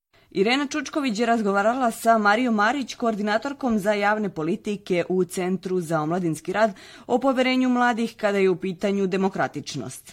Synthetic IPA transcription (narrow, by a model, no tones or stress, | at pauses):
iɾe̞ːnat͡ʃut͡ʃko̞ʋit͡ɕjeɾazɡo̞ʋaːɾalˠasamaɾijo̞mːaːɾit͡ɕko̞ːɾd̪inaːt̪o̞ɾko̞mzajaːʋne̞po̞lit̪ike̞ʔut̪se̞nt̪ɾuzaomlˠad̪inskiɾaːd̪ | o̞po̞ʋje̞ɾe̞ːɲumlˠaːd̪ixkad̪aje̞upiːt̪aɲud̪e̞mo̞kɾat̪it͡ʃno̰st̪